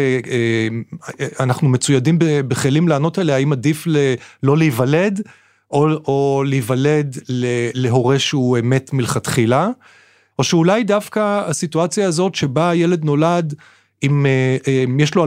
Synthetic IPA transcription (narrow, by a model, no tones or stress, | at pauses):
manaχnumet͡sujadimbebeχelimlaːno̞teleaimadiflelo̞liivale̞d | ooliːvale̞dlele̞ɦo̞ʁeʃeue̞me̞tmilχat̪χila | ʔo̞ʃeulajdafkaasituat͡sjaːzo̞tʃe̞bajele̞d̪no̞lad | imemjeʃloa